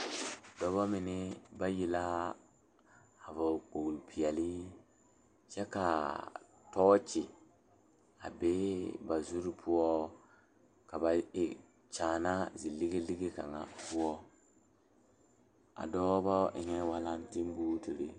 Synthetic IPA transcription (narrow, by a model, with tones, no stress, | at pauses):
dɔ˨bɔ˦mɪ˨nɪ˦ba˦ji˦la˦˨ | vɔ˨k͡po˨lpʰi˨ɛ˨li˦ | t͡ʃɛ˦ka˨ | tɔː˦t͡ʃɪ˨ | a̰˨beː˦ba˨zu˦ɾi˦pʰʊ˦ɔ˦ | ka˨ba˨ɪ˨ | t͡ʃaː˨na˦zi˨lɪ˦ɡe˦lɪ˦ɡe˦ka̰˨ŋa̰˨pʊ˦ɔ˦ | a̰˨dɔ˦bbɔ˦ʔɪ̰˨ɲɛ˦wa˦la˦n˦tɪ˦m˦bu˦tu˨ɾḭ˨